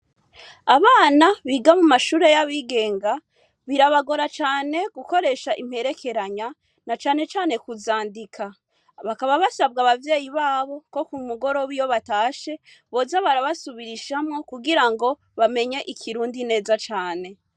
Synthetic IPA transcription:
aβaːnaβiːɡamumaʃuːɾe̞jaβiːɡe̞ːŋɡa | βiɾaβaɡo̞ɾat͡ʃaːne̞ɡ̥uko̞ɾe̞ʃaʔim̥he̞ɾe̞kʰe̞ɾaɲa | nat͡ʃaːne̞t͡ʃaːne̞kuzaːndikʰa | βakaβaβasaβɡaːβavje̞ːjiβaːβo̞ko̞kumuɡo̞ɾo̞βijo̞βataːʃe̞ | βo̞zaβaɾaβasuβiɾiʃamŋo̞kuɡiɾaŋɡo̞ | βame̞ɲe̞ʔikʰiɾuːndine̞ːzat͡ʃaːne̞

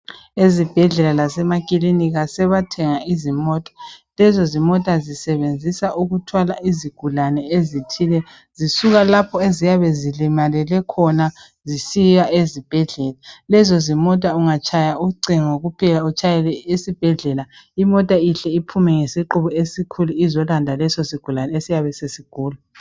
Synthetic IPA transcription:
ezib̥ʱɛɮɛlalasɛmakʼiliniɣasɛβatʰɛŋaizimɔtʼḁlɛzɔzimɔtʼazisɛβend͡zʱisaʔuɣutʰwalaʔiziɡ̥ʱulanɛezitʰilɛ | zisuɣalapʰɔezijaβɛzilimalɛlɛkʰɔna | zisijaʔezib̥ʱɛɮɛlalɛzɔzimɔtʼauŋat͡ʃʰʼajauǀʱiŋoɣupʰɛlaut͡ʃʰʼajɛlɛesib̥ʱɛɮɛlaimɔtʼaiɬɛipʰumɛŋesiǃuβɔesikʰuluizɔlandʱalɛsɔsiɡ̥ʱulanɛesijaβɛsesiɡ̥ʱuːlu

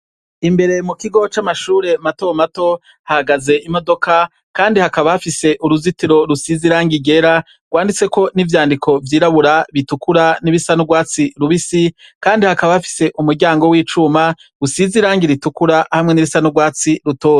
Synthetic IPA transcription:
imbe̞ɾe̞mukiɡo̞t͡ʃamaʃuːɾe̞mato̞mato̞ | hahaɡaze̞ʔimo̞do̞ka | kaːndihakaβahafise̞ʔuɾuzitiɾo̞ɾusiziɾaːŋɡiɡe̞ɾa | ɡ̥waːndit͡se̞ko̞nivjaːndikʰo̞vjiːɾaβuɾaβitukuɾaniβisanuɡwaːt͡siɾuβisikaːndihakaβahafi̥se̞ʔumuɾɟaːŋɡo̞wiːt͡ʃuma | ɡusiziɾaːŋɡiɾitukuɾahamŋe̞niβisanuɡwaːt͡siɾuto̞ːze

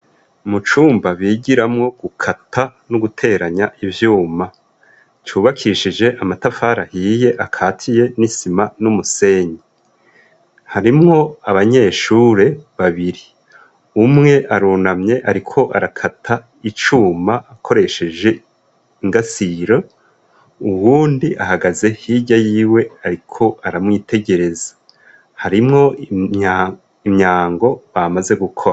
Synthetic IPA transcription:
mut͡ʃuːmbaβiːɟiɾamŋo̞ɡ̥ukʰatʰanuɡutʰe̞ːɾaɲaʔivjuːma | t͡ʃuːβakʰiʃid͡ʒe̞ʔamatafaːɾahiːje̞ʔakʰaːtʰije̞nisimanumuse̞ːɲe | haɾimŋo̞aβaɲe̞ːʃuːɾe̞βaβiɾi | umŋe̞ʔaɾuːnamɲe̞ʔaɾikʰo̞ʔaɾakʰatʰa | it͡ʃuːmaʔːkʰo̞ɾe̞ʃe̞d͡ʒe̞ | iŋɡasiɾo | uwuːndiʔahaɡaze̞hiɟajiːwe̞aɾikʰo̞ʔaɾamŋiːte̞ɟe̞ɾe̞zḁ | haɾimŋo̞ | imɲaːŋɡo̞βamaze̞ɡukʰoa

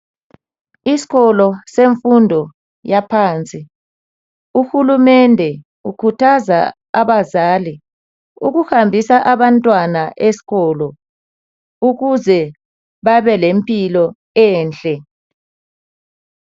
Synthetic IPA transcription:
isi̥ɣɔlɔseɱfundʱɔ | japʰaːnt͡sʼi | uxulumɛndʱɛ | ukʰutʰaza̰ | aβazaːli | ṵɣuhambʱisaʔaβantʼwanaʔesi̥ɣɔlɔ | uɣuzɛ | βaβɛlempʼilɔ | ɛːnt͡ɬʼɛ

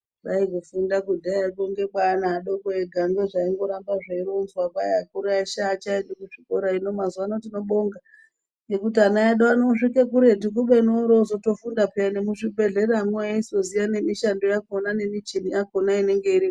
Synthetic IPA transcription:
ʋaikufundakudʱaakoŋɡe̞ɓwanaːɗokoeɡʱaŋɡeʐaiŋɡo̞ɾambaʐaiɾonzwakajakuɾaiʃat͡ʃaindokuʂi̥koɾaino̞mazwanotino̞ɓoŋɡa | ekut̬ianajaɗoanoʂikek̬uɾe̞tik̬uɓenoɾozoto̞fundapeanemuʂibʱe̞ɮe̞ramweaisozijane̞miʃando̞jakonane̞mit͡ʃiniakonaine̞ŋɡe̞iɾi

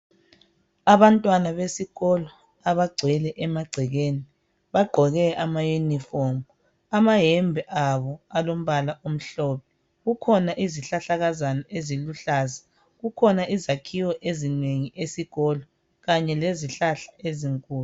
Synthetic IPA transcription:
aβantʼwanaβesiɣɔlɔ | aβaɡ͡ǀʱɛlɛʔɛmaɡ͡ǀʱɛɣeni | βaɡ͡ǃʱɔɣɛʔamajunifɔm | amaɦɛmbʱɛʔaβɔalom̩βalaʔom̩ɬɔːpʰɛ | ɣukʰɔnaʔiziɬaɬaɣazanaʔeziluɬaːza | ɣukʰɔnaʔizakʰiwɔʔezineŋiesiɣɔlɔ | ɣaɲɛleziɬaɬḁeziŋkʼuːlu

